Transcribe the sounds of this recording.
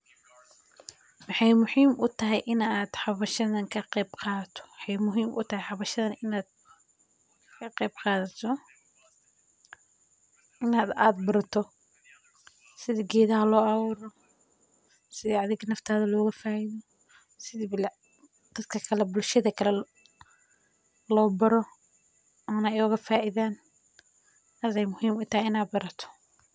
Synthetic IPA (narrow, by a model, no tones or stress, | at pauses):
wɑħɑjmʊħiːmʔʊt̪ʰɐɦɛjʔɪnaːd̪ħɑβɐʃɐðɐnkʰɐqɛjbqɑːðɐt̪ʰɔ̥wħɑjmʊɦiːmʔʊ̰t̪ʰɐɦɛħɑβɐʃɐðɐnɪnaːd̪̚ | kʰɐqejb̚qɑːðɐt̪ʰɔ | ʔɪnaːd̪aːd̪̚bʊɾɐt̪ʰɔ | sɪðiɡɛːðɐɦɐlɔːɑːwuːɾɔ | sɪðɛɐðɪɣɐnɐft̪ʰaːðɐlɔːɣɐfaːʔiðɔ | sɪðibl | d̪̥ɐd̪kʰɐkʰɐlɛbʊlʃɐðɐkʰɐlɛ | lɔːbɐɾɔ | ɔːnɐɔːɣɐfaːʔɪðaːn | ɐðɛjmʊhiːmʊt̪ʰɐhɪɪnaːd̪̚bɐɾɐt̪ʰɔ̥